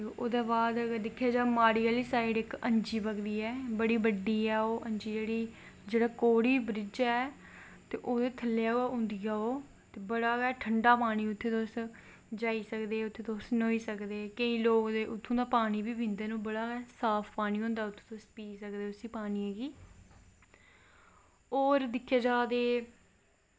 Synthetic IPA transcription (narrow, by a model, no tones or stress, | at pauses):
eʔoːd̪aːbaːd̪əɡəɾd̪ɪkʰːjaːd͡ʒaːmaːɾiːaːliːsaːɪɖɪkə̃ɲd͡ʒiːbəɡd̪iːɛːbəɽiːbəɖiːɛːoːʔəɲd͡ʒiːd͡ʒeːɽiː | d͡ʒeːɽaːkoːɽiːbɾɪd͡ʒɛː | t̪ḛːʔoːd̪eːt̪ʰəlːejaːʊ̃nd̪ijaːoː | t̪eːbəɽaːɡɛːʈʰəɳɖaːpaːɽ̃iːʊt̪ʰːeːt̪oːs | d͡ʒaːiːsəkd̪eːʊt̪ʰːeːt̪oːsnoːiːsəkd̪eːkəĩːloːkd̪eːʔʊt̪ʰːõːd̪aːpaːñiːbiːbɪ̃nd̪eːnũːbəɽaːɡɛːsaːpʰpaːniːɦʊ̃ːnd̪aːʊt̪ʰːõ̥ːt̪ospiːsəkd̪eːʊsĩːpaːniːɛːɡiː | oːɾd̪ɪkʰːaːd͡ʒaːd̪eː